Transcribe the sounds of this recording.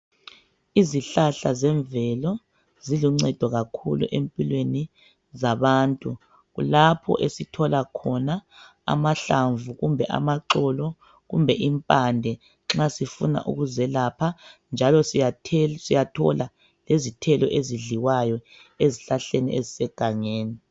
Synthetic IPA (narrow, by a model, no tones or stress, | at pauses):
iziɬaɬazɛɱvɛlɔ | ziluŋ͡ǀɛd̥ʱɔɣakʰṵlṵʔempʼilweni | zaβaːntʼu | ɣṵlapʰɔ̰ʔesitʰɔlakʰɔnaa̰maɬaɱvuɣumbʱɛʔa̰maǁɔlɔ | ɣṵmbʱɛʔimpʼandʱɛ | ŋ͡ǁasifuna̰ʔṵɣuzɛlapʰand͡ʒʱalɔsiasijatʰɔ̰la | lezitʰɛlɔʔeziɮiwajɔ | eziɬaɬenḭʔezisɛɡ̥ʱaŋeːni